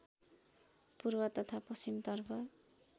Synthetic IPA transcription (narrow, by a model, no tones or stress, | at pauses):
purbʌt̪ʌt̪ʰapʌsimt̪ʌrpʰʌ